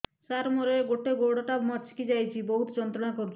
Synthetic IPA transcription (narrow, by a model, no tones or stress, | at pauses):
saɾmoɾeɡoʈeɡoɽɔʈabmɔt̪sʰi̥kid͡ʒajt͡ʃʰibɔɦut̪ɔd͡ʒɔnt̪ɾɔɽ̃akɔɾut͡ʃʰ